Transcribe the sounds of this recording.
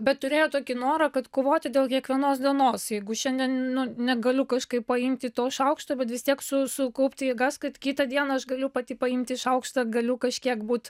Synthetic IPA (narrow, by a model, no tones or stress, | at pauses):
bʲɛt̪tʊɾʲeːjoːt̪oːkʲɪnoːɾɐkɐt̪koːʋoːt̪ʲɪd̪ʲeːlˠkʲiɛkʋʲiɛnoːsd̪ʲiɛnoːsjɛɪɡʊʃʲɛnʲd̪ʲɛnnʊnʲɛɡɐlʲʊkɐʃkɐɪppɐɪmʲt̪ʲɪt̪oːʃɐʊkʃt̪oːbʲɛt̪ʋʲɪst̪ʲiɛksʊsʊkɐʊpʲt̪ʲɪɪɡɐskɐt̪kʲiːt̪ɐd̪ʲiɛnɐɐʃɡɐlʲʊpɐt̪ʲiːpɐimʲt̪ʲɪɪʃɐʊkʃt̪ɐɡɐlʲʊkɐʃʲkʲiɛkbuːt̪